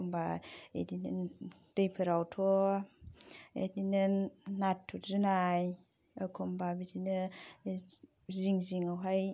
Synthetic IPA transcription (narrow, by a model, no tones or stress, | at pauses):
mbaḛdinɯn | d̥ejpʰɯɾawtʰɔ | ḛdinɯnːatʰːutʰɾɯnaj | akʰɔmbabidinɯ | ziŋziŋawɦaj